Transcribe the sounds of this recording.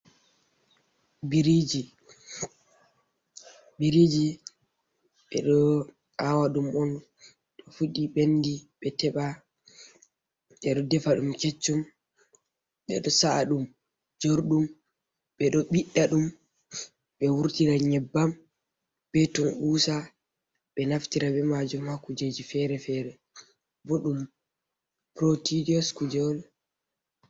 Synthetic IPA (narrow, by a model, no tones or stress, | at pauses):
biɾid͡ʒi | biɾid͡ʒi | ɓɛ̰ɗɔ | awaɗumɔn | ɗɔfuɗiɓendiɓɛtɛɓa | ɓɛɗɔdɛfaɗumket͡ʃːum | ɓɛ̰ɗɔsaɗum | d͡ʒoɾɗum | ɓɛɗɔɓiɗːaɗum | ɓɛwuɾtiɾaɲɛbːam | ɓɛtumʔuːsa | ɓɛnaftiɾaɓɛmad͡ʒumhakːud͡ʒed͡ʒifɛɾɛfɛːɾɛ | boɗum | pɾotidiɔskud͡ʒɔl